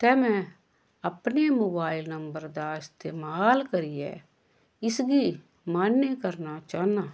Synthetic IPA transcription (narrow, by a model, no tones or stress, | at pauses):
t̪ɛːmɛ̃ː | əpneːmoːbaːɪlnəmbəɾd̪aːɪst̪eːmaːlkəɾijḛː | ɪsɡiː | maːnːekəɾnaːt͡ʃaːnaː